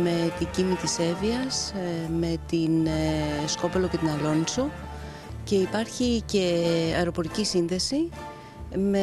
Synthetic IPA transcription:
me̞t̪iɟimit̪ise̞viɐsme̞t̪in | sko̞pe̞loce̞t̪inɐlo̞nso | ce̞ipɐɾçice̞ɐ̰eɾo̞po̞ɾicisinðe̞si | me

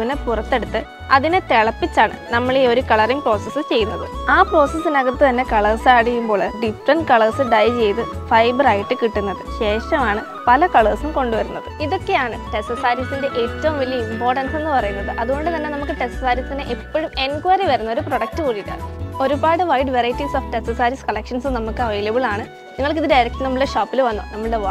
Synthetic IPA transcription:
ʋinepurɐt̪ːe̞ɽut̪ːɨ | ɐ̰ðinet̪eɭɐpːit͡ɕːaːɳɨ̰nɐmːɐɭeo̞ɾukɐɭɐriŋpro̞ːsɐsːɨt͡ɕe̞jːunːɐðɨaːpro̞ːsɐsːinɐɣɐt̪ːɨt̪ɐnːe̞kɐɭɐrsaːɽijːumbo̞ːɭɖifrɐnɖkɐɭɐːsɨɖɐjt͡ɕe̞jt̪ɨfɐjbraːjiʈːɨkiʈːunːɐðɨɕe̞ːʂɐmaːɳɨ | pɐlɐkɐɭɐːsumko̞ɳɖuʋɐɾunːɐðɨiðo̞kːe̞jaːɳɨʈe̞stːɐsaːɾisinde̞ʔeːtːɐʋɐmʋilːɐimpo̞ːrʈɐnse̞nːɨpɐrɐjunːɐðɨʔɐðuɣo̞ɳɖɨt̪ɐnːe̞nɐmukːɨʈestːɐsaːɾjɐt̪ːinɨʔepːɐɻume̞nkwɐriʋɐɾunːɐo̞ɾupro̞ɽɐk̚ʈɨkuːɽiʈːɐ̰o̞ɾubaːɽɨʋɐjɖʋerɐjtːisoːfʈe̞stːɐsaːɾiskɐlɐkʂɐnsɨnɐmukːɨɐʋɐjlɐbiɭaːɳɨ | niŋːɐɭkiðidɖɐɾɐk̚ʈːɨnɐmːɭɽeɕoːpːilʋɐnːonɐmːɐɭɨɽe

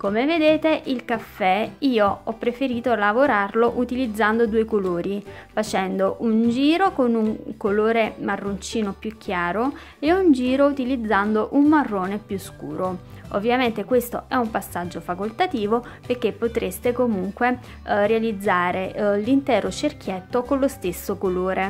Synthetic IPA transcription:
komeved̪eːt̪eʔilkafːɛiːoɔpːɾefeɾiːt̪olavoɾarloʔut̪ilid̪zːand̪od̪uːekoloːɾifat͡ʃɛnd̪oʔund͡ʒiːɾokonuŋkoloːɾemarːont͡ʃiːnopjuk̟ʰːjaːɾo | eund͡ʒiːɾout̪ilid̪zːand̪oʔumːarːoːnepjuskṵːɾoovːjament̪ekwest̪o̰ʔɛumpasːad͡ʒːofakolt̪at̪iːvoperkːepːot̪ɾest̪ekomuŋkwe | realid̪zːaːɾelint̪ɛːɾot͡ʃerk̟jɛt̪ːokonlost̪esːokoloːɾʔe

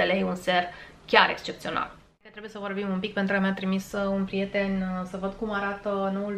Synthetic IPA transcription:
elejunserkʲaɾekst͡ʃept̪sio̞na̰l | ket̪ɾebuje̞səvo̞rbimumpik̚pent̪ɾukəmjat̪ɾimisunpɾije̞t̪e̞nsəvəd̪kumaɾat̪əno̞ul

